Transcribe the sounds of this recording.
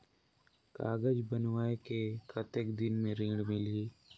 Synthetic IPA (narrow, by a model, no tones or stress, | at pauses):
ka̰ːɡəd͡ʒbənwaːekekət̪ekd̪ɪnmẽɾĩːɽmɪliː